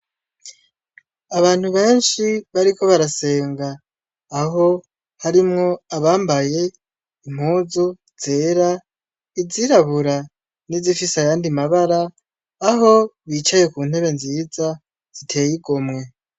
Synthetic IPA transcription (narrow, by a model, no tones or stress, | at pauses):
aβaːn̥huβe̞ːnʃiβaɾiko̞βaɾase̞ːŋɡaː | ɦo̞ | haɾimŋo̞aβaːmbaje̞ | im̥huːzo | z̥e̞ːɾa | iziɾaβuɾa | nizifisajaːndimaβaɾaː | ɦo̞βit͡ʃaje̞kuːn̥he̞βe̞nziːza | z̥itʰe̞ːjiɡomŋe̞